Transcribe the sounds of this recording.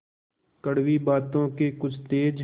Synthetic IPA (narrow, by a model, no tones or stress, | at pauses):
kəɽwibaːt̪õkekʊt͡ʃʰt̪eːd͡ʒ